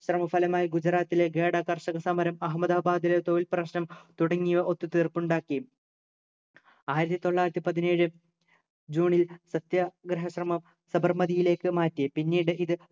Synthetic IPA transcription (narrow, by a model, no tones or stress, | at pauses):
ɕrɐmɐfɐlɐmaːjiɡud͡ʑɐɾaːt̪ːile̞ɡe̞ːɽɐkɐrɕɐɣɐsɐmɐɾɐmɐɦɐmɐd̪aːbaːd̪ilet̪oʋilprɐɕnɐmt̪uɽɐŋːijʋɐʔo̞t̪ːut̪iːrpuɳɖaːkːi | aːjiɾɐt̪ːit̪o̞ɭːaːjiɾɐt̪ːipɐðine̞ːɻɨ | d͡ʑuːɳilsɐt̪jɐɡɾɐɦɐɕrɐmɐm | sɐbɐrmɐðijile̞ːkːɨmaːtːiɐpinːiːɽɨʔiðɨ